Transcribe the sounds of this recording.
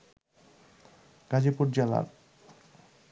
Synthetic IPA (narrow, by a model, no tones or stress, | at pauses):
ɡ̥ad͡ʑipuɾd͡ʑala̰ɾ